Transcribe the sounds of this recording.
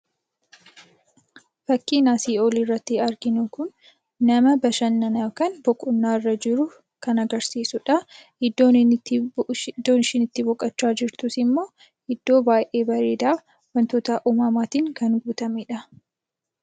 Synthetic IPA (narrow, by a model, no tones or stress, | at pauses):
fɐkːiːnaːsiːolirːɐt̪ːɪɐɾɡɪnʊkʊnː | ɐmɐbɐʃɐnːɐnɐkɐnbɔkʼʊnːaːɪrːɐd͡ʒɪɾʊ | kɐnɐɡɐɾsiːsʊᶑɐ | ɪd̪ːo̞ːnnː | d̪ːo̞ːnɪʃɪnɪt̪ːɪbɔkʼːɐt͡ʃːaːd͡ʒɪɾt̪usɪmːo̞ː | ɪd̪̥ːo̞ːbaːjʔe̞ːbɐɾeːd̪aː | wɐnt̪oːt̪ɐʔumɐmaːt̪iːŋkɐnɡuːt̪ɐmeːᶑɐ